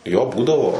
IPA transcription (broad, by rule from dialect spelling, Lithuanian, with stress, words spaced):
ˈjoː ˈbuːdɐʋoː